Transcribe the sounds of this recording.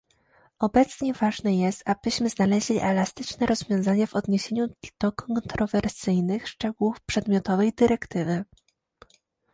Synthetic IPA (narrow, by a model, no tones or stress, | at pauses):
ɔbɛt̪sɲɛvaʐnɛjɛst̪abɘɕmɘznalɛʑlʲḭʔɛlast̪ɘt͡ʂnɛɾɔzvʲjɔ̃w̃zaɲɛvɔd̪ɲeɕeɲud̪̥ɔkɔnt̪ɾɔvɛɾsɘjnɘxʂt͡ʂɛɡuwufpʂɛd̪mʲjɔt̪ɔvɛjd̪ɘɾɛkt̪ɘvɘ